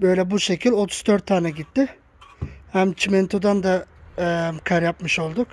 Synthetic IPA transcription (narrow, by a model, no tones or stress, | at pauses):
bø̞jlʲɛbuʃe̞cʰilʲo̞t̪ʰu̥zd̪øɾt̪ʰːaːnɛɟit̪ːɪ | hæmt͡ʃʰimɛnt̪ʰod̪and̪a | mkʰaɾjapmɯʃo̞lˠd̪uk